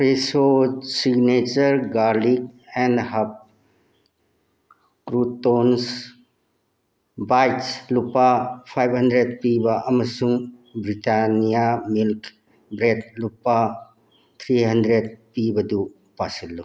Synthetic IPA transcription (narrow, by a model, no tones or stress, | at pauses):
pʰɾesosiɡnet͡ʃəɾɡaɾlik̚ɛndhɐp̚ | kɾutons | bajtslupapʰajbʱɦɐndɾed̚pibaʔɐmɐsuŋbɾitanijamilk | bɾet̚lupːa | t̪ʰɾiɦɐndɾed̚pibɐdu | pasɐlːu